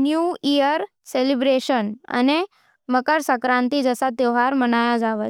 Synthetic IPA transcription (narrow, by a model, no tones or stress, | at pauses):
njuːijəɾ | selibɾeɕənə̰ne | məkəɾsəkɾãnt̪id͡zəsat̪eɦaɾmənajɔd͡zaʋə